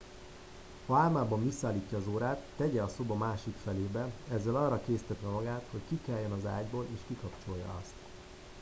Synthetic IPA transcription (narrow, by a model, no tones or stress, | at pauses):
hɒaːmaːbɒɱvisːaːlːiːcːɒːzoːɾaːt̪ːɛɟɛɒso̞bɒmaːʃikfɛleːbɛɛzːɛlɒːrːɒkeːsi̥t̪ɛt̪ʋɛmɒɡaːt̪ho̞ckikɛjːɛnɒza̰ːɟboːleːʃkikɒpt͡ʃo̞jːɒ̰ɒst̪